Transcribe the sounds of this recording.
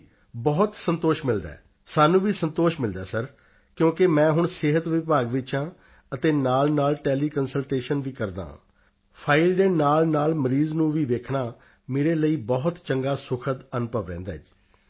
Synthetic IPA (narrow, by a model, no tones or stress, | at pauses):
bɔːt̪sənt̪oːʃmɪld̪a̰ː | saːnũːʋiːsənt̪oːʃmɪld̪a̰ːsəɾ | kjõːkemɛ̃ːɦʊɳsɪɦət̪ʋɪpaːɡʋɪt͡ʃãː | ət̪eːnaːlnaːlʈɛːliːkənsəlʈeːʃənʋiːkəɾd̪ã̰ː | pʰaːɪld̪eːnaːlnaːlməɾiːznũːʋiːʋeːkʰnaː | meːɾeːləiːbɔːt̪t͡ʃəŋɡaːsʊkʰət̪ənpəʋɾɛ̰̃ːnd̪a̰ːɪd͡ʒ